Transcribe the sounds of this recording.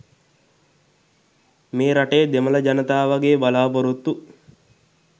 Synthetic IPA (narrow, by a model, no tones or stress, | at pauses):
meːɾaʈeːd̪emɐlɐd͡ʒɐnɐt̪aːʋaɡeːbalaːpoɾut̪ːu